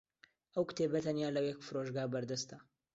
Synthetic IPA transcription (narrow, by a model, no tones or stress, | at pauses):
ʔɐwkt̪ʰebɐt̪ʰɐnjaːlɐwjɛkfɨɾoʒɡaːbɐɾd̪ɐst̪ɐ